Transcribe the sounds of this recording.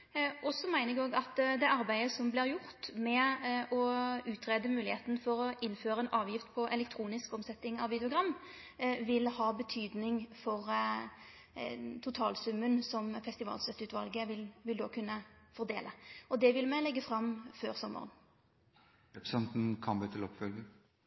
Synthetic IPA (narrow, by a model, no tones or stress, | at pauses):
ʔɔsɔmæɪnəʁɡoːɡɑt̪d̪ɛʔɑʁbæɪəsɔmblɪʁjʊʁt̪mɛɔʉːt̪ʰʁeːd̪əmʉːlɪheːt̪nfɔɾɔʔɪnːføːɾəɛːnʔɑːʋjɪft̪pʰɔʔɛlɛk̚t̪ʰɾuːnɪskɔmsɛt̪ːɪŋɑʋʋɪd̪ɛʊɡʁɑmː | ʋɪlhɑːbət̪ʰyːd̪nɪŋfɔʁ | t̪ʰʊt̪ʰɑːlsʉmːənsɔmfɛst̪ɪʋɑ̰ːlsœt̪ːʉːt̪ʋɑlɡəʋɪlʋɪld̪oːkʰʉnːəfɔʁd̪ḛːləɔd̪ɛʋɪlmɛlɛɡːəfʁɑmføːʁsɔmːə̰ʁə̰n | ɛpsɛnt̪n̩kʰɑnbiːt̪ʰɪlɔpfœlɡə